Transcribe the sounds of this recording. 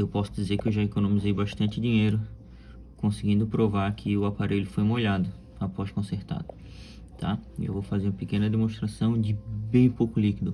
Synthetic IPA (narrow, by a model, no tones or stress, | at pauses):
ewpɔsʊd͡ʒizeɾkɪewʒaekonõmizejbaʃt̪ɐ̃nt͡ʃɪd͡ʒĩɲejɾʊ | kõsɪɡĩnd̪ʊpɾovaɾkʰɪʊapaɾʔeʎʊfojũmoʎad̪ʊ | apɔʃkõseɾt̪a̰d̪ʊ | t̪ʰa̰ḛwvowfazeɾũɐpekẽnɐd̪emõʃt̪ɾasɐ̃w̃d͡ʒɪbẽj̃powkʊlikid̪ʊ